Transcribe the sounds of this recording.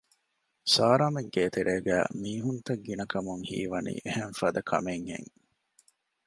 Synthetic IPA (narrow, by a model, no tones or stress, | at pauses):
saːɾaːmeŋɡeːt̪eɾʔeːɡæ̰ːmiːɦunt̪ɐɡːinɐkɐmuŋhḭːʋɐnḭːʔehenfɐːd̪ɐkʰɐ̰meŋhḛŋ